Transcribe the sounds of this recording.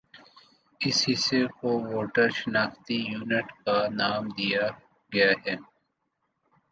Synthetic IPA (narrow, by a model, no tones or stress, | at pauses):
ɪshɪsekowoːʈəɾʃɪnaːxt̪ijuːnɪʈkanaːmd̪ija | ɡɐjaɦɛː